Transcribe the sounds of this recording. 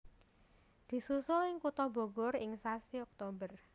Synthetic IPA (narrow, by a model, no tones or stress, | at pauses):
d̪̥i̤susʊlɪŋkut̪ɔbo̤ɡɔrɪŋsasiɔk̚t̪obər